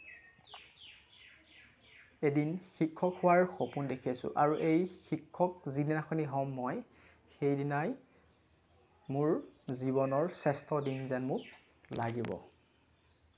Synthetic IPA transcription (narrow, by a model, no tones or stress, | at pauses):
edinxikʰːɔkhʊwaɹxopundekʰiasʊ̰ʔaɹuʔejxikʰːɔkzidinaxɔniɦɔmːɔj | xejdinaj | mʊɹzibɔnɔɹsɛstʰɔdinzɛnmʊk | laɡibɔ̰